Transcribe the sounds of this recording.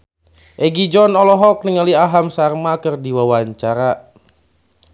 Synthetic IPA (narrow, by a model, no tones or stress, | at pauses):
ʔɛɡid͡ʒɔnɔlɔɦɔk̚niŋaliaɦamsarmakɨrdiwawaɲt͡ʃaɾa